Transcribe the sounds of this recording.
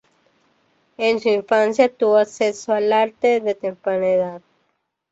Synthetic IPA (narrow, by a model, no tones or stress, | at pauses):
ensuiɱfansjat̪uβosesoalaɾt̪eðet̪empɾaneðað̚